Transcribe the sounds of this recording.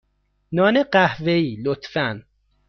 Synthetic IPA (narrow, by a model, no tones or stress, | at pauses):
nɒːneɢæhveiːlot̪fæn